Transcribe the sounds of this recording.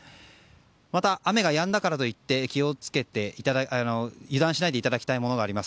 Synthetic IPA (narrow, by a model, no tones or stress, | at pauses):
mat̪aʔːame̞ɡajãnd̪akaɾat̪o̞it̪ːe̞kʲio̞t͡sɨ̥ke̞t̪e̞it̪ad̪aano̞jɯ̟d̪ãɰ̃ɕinaid̪e̞it̪ad̪akʲi̥t̪aimo̞no̞ɡaːɾimasɨ̥